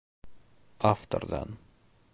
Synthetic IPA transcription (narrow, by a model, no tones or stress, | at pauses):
ʔaft̪ə̰ɾd̪ɛ̰n